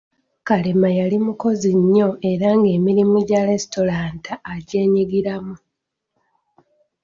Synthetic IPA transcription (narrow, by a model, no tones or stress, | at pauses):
kalemajalimuko̞ziɲːo̞e̞ɾaŋɡe̞ːmiɾimuɟaɾe̞sto̞ɾaːntaːɟe̞ːɲiɡiɾamu